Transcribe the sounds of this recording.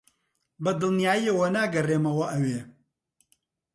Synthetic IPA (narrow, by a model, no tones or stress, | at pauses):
bɐd̪ɨlnijaːjiɐwɐnaːɡɐreːmɐwɐʔɐweː